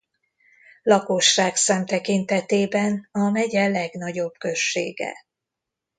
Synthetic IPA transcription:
lɒkoʃːaːksɛmt̪ɛkint̪ɛt̪eːbɛnɒmɛɟɛlɛɡnɒɟo̞bkø̞ʃːḛːɡɛ̰

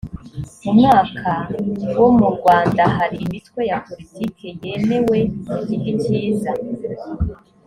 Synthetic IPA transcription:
mumŋaːkʰawomuɾɡwaːndaɦaɾiːmitwe̞japo̞ɾitikʰe̞je̞ne̞we̞niciɡiciːza

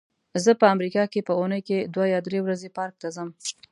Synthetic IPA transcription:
zəpəamɾikɑkepəunəjked̪wajɑd̪ɾewɾazepɑɾk̚t̪azəm

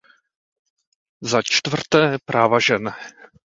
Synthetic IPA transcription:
zat͡ʃt̪vr̩t̪ɛːpɾʔaːvaʒɛn

